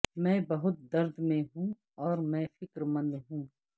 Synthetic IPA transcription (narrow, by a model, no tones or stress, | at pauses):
mɛ̃ːbɐɦʊt̪̚d̪ɐɾd̪mẽɦũ | ɔːɾmɛ̃ːfɪkɾmə̃nd̪ɦũː